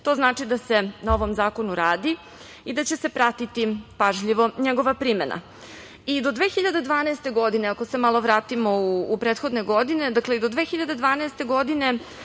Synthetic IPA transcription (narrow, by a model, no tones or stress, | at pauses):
t̪o̞ːznaːt͡ʂid̪ase̞nao̞ʋo̞mzaːko̞nuɾaːd̪i | id̪at͡ɕe̞se̞pɾat̪it̪ipaʒʎiʋo̞ɲeɡo̞ʋapɾimena̰ | id̪od̪ʋexiʎad̪ed̪ʋaːnaeːst̪e̞ɡo̞d̪ineako̞se̞malo̞ʋɾaːt̪imo̞uːpɾeːt̪xo̞d̪ne̞ɡo̞d̪ine̞d̪akleid̪o̞d̪ʋexiʎad̪ed̪ʋaːnɛest̪e̞ɡo̞d̪ine̞